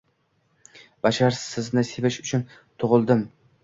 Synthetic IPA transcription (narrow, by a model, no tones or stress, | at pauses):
b̥aʃaɾsɪznɪsevɪʃʊt͡ʃʰʊn | t̪ʰʊʁɨlˠd̪ɪm